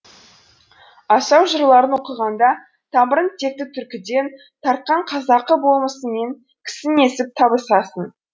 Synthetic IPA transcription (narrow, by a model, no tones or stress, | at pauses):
ɑsɑwʒəɾlˠɑɾənwo̞qəʁɑnd̪ɑ | t̪ʰɑməɾənt̪ʰe̞k̚t̪ɪt̪ʰʏɾkʲɪd̪e̞n | t̪ʰɑɾt̪̚qɑɴqʰɑzɑqəbo̞lˠməsəme̞ŋ | kʲʰɪ̥sɪne̞sɪp̚t̪ʰɑbəsɑsən